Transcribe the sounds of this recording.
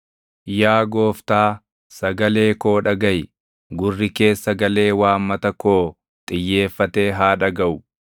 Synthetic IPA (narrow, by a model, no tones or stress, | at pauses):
jaːɡo̞ːft̪aː | sɐɡɐle̞ːko̞ːᶑɐɡɐj | ɡʊrːɪke̞ːsːɐɡɐle̞ːwaːmːɐt̪ɐko̞ː | t̪ʼɪjːe̞ːfːɐt̪e̞ːɦaːᶑɐɡɐʔʊ